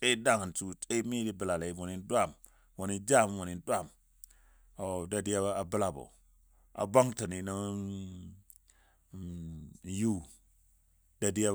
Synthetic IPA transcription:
t͡ʃʼe˦da˦˨ŋa˨ntu˨t͡ʃe˦mi˦di˦bə˨la˨la˨i˨wo˨ni˦n˦dwa˦˨m | wo˨ni˦d͡ʒa˦˨m˦wo˨ni˨n˦dʷa˦˨m | o˨da˨di˦a˦a˦a˨bə˦la˨bo̰˨ | a̰˨ba˦ŋta˨ni˨na˦ | ju˦ | da˨di˦a˦

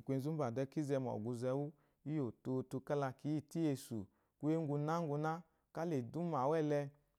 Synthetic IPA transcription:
kʷe˧˦zu˦ba˨dɛ˧˦ki˦zɛ˧m˨ɔ̰˨ɡu˧zɛ˧˦wu˦ | i˦jo˨to˧tu˧ka˦la˧ki˨˦i˦˨ti˦e˧sṵ˨ | ku˦e˦ŋ˦ɡu˧na˦ŋ˦ɡu˧na˦ | ka˦le˨du˦ma˨wɛ˦˨lɛ˧

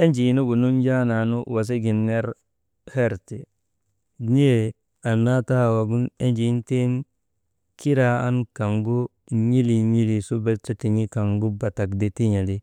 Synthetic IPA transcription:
e˦nd͡ʒi˨˦nu˦ɡu˨nu˦nd͡ʒa˦na˨nu˦wa˨s̬e˦ɡi˨nːe˦ɾ | he˦ɾte˨˦ | ni˦e˨ | a˨nːa˦ta˦˨wa˨ɡu˦ne˦nd͡ʒi˨˦nte˦n | ki˦ɾa˨a̰˦nka˨ŋɡu˦ | ɲi˦li˨ɲi˦li˨su˦be˦ta˦ti˨ɲi˦ka˨ŋɡu˦ba˨ta˨kde˨ti˦ɲa˨li˦

